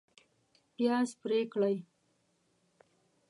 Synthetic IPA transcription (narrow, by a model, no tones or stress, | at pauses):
pjɑspɾekɽaj